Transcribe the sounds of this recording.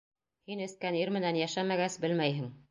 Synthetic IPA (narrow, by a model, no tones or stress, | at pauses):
hinɘ̆θkæniɾmɘ̆nænjæʃæmæɡæsbɘlmæjɦɘŋ